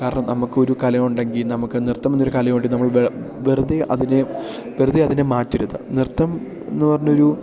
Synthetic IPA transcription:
kaːɾɐɳɐmnɐmukːɨo̞ɾukɐlɐmuɳɖe̞ŋɡilnɐmukːɨnirt̪ːɐmenːoɾukɐlɐmoːɳɖinɐmːɐɭʋeʋerud̪iʔɐ̰ðine | ʋerɨðiɐðinemaːtːiɾuðɨ̰nirt̪ːɐm | enːupɐrɐɲːuo̞ɾu

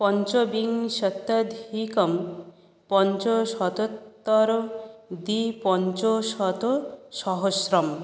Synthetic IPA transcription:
pɔnt͡ʃɔbiŋsɔt̪ːɐd̪ʱikɔm | pɔnt͡ʃɔsɔt̪ɔt̪ːɔɾɔd̪ipɔnt͡ʃosɔt̪ɔsɔɦosɾɔm

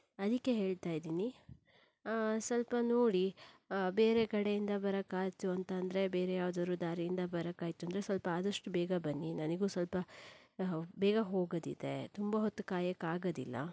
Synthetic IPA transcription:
ɐd̪ikːe̞ɦe̞ːɭt̪aːjid̪iːni | sɐlpɐnoːɽibeːɾekɐɽejind̪ɐbɐɾɐkːaːjt̪uɐnt̪ɐːnd̪ɐɾe̞be̞ːɾejaːʋd̪ɐɾud̪aːɾijind̪ɐbɐɾɐkaːjt̪uɐnd̪ɾe̞sʋɐlpɐaːd̪ɐʂʈubɛːɡɐbɐnːinɐniɡuːsɐlpɐ | bɛːɡɐɦo̞ːɡɐd̪id̪e̞t̪umbɐɦot̪ːukaːjɐkːaːɡɐd̪ilːɐ̰

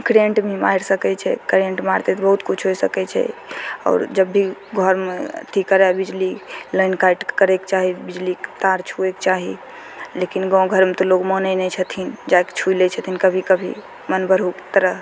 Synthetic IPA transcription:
kɾeɳʈmema̰ɦiɾsəkɛt͡ʃʰɛ̰kɾeɳʈmaɾt̪et̪ɔbəɦut̪kut͡ʃʰɦojsəkɛt͡ʃʰɛ̰ɔ̰ːɾd͡ʒəbːiɡʱəɾmet̪ʰikəɾɛbid͡ʒlilənkaiʈkəɾɛkt͡ʃaɦibid͡ʒlikt̪aɾt͡ʃʰuekt͡ʃaɦi | lekinɡɔ̃ɡʱəɾmet̪ɔloɡmɔnɛnɛt͡ʃʰət̪ʰind͡ʒake̥t͡ʃʰujlɛt͡ʃʰət̪ʰinkəbʱikəbʱḭ | mənbəɾɦukt̪əɾəɦ

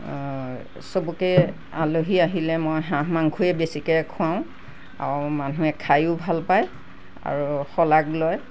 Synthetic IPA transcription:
sobukɛ | aloɦiaɦilɛmɔjɦãɦmaŋɡʰʱujɛbesikɛkʰʊaʊ̃ | a̰ɹmanuɛkʰajʊbʱalpaj | a̰ɹuxɔlaɡlɔj

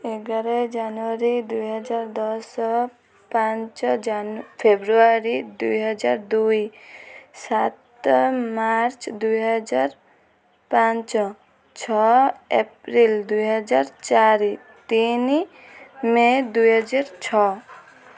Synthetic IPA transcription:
eɡaɾɔjd͡ʒanuaɾid̪ujɦəd͡ʒaɾd̪ɔsɔ | pãnt͡ʃd͡ʒanpʰebɾuaɾid̪uɦɔd͡ʒaɾd̪uj | sat̪maɾt͡ʃd̪ujɦəd͡ʒaɾ | pãnt͡ʃɔ | t͡ʃʰɔepɾild̪ujɦəd͡ʒaɾt͡ʃaɾi | t̪ini | med̪ujɦəd͡ʒaɾt͡ʃʰɔ

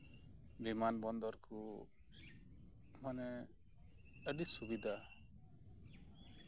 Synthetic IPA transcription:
bimanbɔnd̪ɔɾku | manɛ | əɖisubid̪ʱa

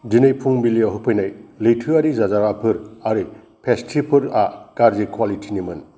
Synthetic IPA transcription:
dinɯjpʰuŋbiliaɦɯpʰɯjnajlijtʰɯaɾizazaɾapʰɯɾaɾɯ | pʰestʰipʰɯɾakaɾzikʰwalitʰinimɯn

